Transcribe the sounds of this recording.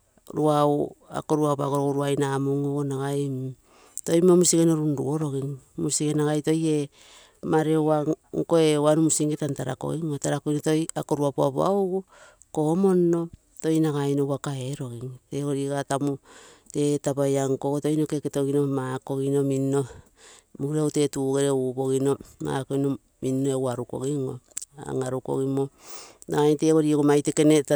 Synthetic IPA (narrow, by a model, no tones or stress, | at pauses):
ɾuaua̰ko̞ɾuapaɡoɾoɡoɾuajnamuŋoonaɡaj | to̞jmomusiɡeno̞ɾunɾṵoɾo̞ɡiŋmusiɡenaɡajto̞je̞ | maɾeaŋko̞eanumusiŋɡetantaɾa̰ko̰ɣiŋotaɾakojnotojako̞ɾuapoa̰pa̰uɡu | ko̞mo̞nːo̞ | to̞jnaɡajnowakaeɾo̞ɡiŋteɡo̞ɾiɡatamute̞tapajaŋkokoto̞jnokeketo̞ɡino̞maːko̞ɡino̞minːo | muɾeowte̞tuːɡeɾeubo̞ɣino̞ma̰ːko̞jno | minːoewaɾuko̞̰ɡiŋo̞̰a̰ŋaɾuko̞̰ɡimo̞naɡajnteɡoɾiokomajteke̞ne